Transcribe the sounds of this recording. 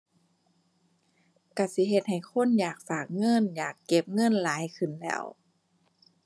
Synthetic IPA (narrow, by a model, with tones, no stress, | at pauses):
ka˧˩si˧˦ɦe˧t̪̚ha˨˩jxʰo˧˥˨njaː˨˩k̚faː˨˩k̚ŋɤ˧˥˨njaː˨˩kːe˧˦p̚ŋɤ˧˥˨nlaː˨˦jkʰɯ˨˩nlɛ̰ː˧˩˨w